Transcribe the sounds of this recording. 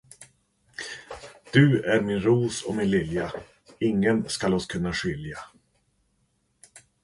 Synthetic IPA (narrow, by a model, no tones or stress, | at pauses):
d̪̥ɵæɾmɪnɾuːsɔ̰mɪnlɪlja | ɪŋːənskalɔskʰɵnːaɧʏlja